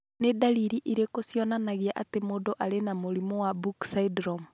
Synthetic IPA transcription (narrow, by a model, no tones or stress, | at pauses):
nedaliɾiʔiɾekosjɔnanaɣiaʔatemodɔʔaɾenamoɾimowabuksaidɾɔm